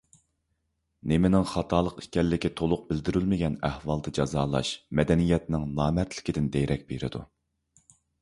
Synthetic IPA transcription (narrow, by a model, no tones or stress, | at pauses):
nemɪnɪŋχɑt̪ʰɑːlˠəqikʲɛlːɪkʲit̪ʰolˠʊq̚bɪld̪ɪɾylmɪɡʲɛnæhwɑlˠd̪ɨd͡ʒɑzɑːlˠɑ̰ʃmɛd̪ɛnijɛt̪nɪŋlˠɑːmɛt̪ʰlɪ̥kʲid̪ɪnd̪ejɾɛk̚ʲbeɾɪ̰d̪ṵ